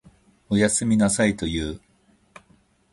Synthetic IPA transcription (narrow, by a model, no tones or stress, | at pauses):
o̞jasɨmʲinasait̪o̞jɯː